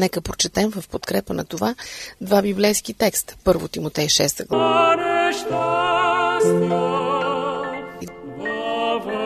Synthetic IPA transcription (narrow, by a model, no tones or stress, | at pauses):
nɛkəpɾot͡ʃɛt̪ɛmvəfpot̪kɾɛpənɐ̰t̪ovad̪vabiblɛjsk̟it̪ɛkst̪pɤɾvo̰t̪imot̪ɛjʃɛst̪əɡlˠɾɛʃt̪a | sk | i | v